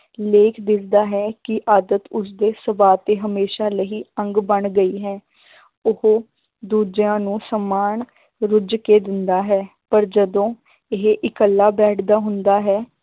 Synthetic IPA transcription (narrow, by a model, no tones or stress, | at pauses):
leːkʰd̪ɪt̪ʰd̪aːɦɛːkɪʔaːd̪ət̪ʊs̬d̪eːsəbaːt̪eːɦəmeːʃaːləɦiːə̃ŋɡbəɳɡəiːɦɛː | ʊhoː | d̪uːd͡ʒjãːnũːsəmaːɳ | ɾʊd͡ʒkeːd̪ɪnd̪aːɦɛː | pəɾd͡ʒəd̪õː | ɪɦʔɪkəlːaːbɛːʈʰd̪aːɦʊnd̪aːɦɛː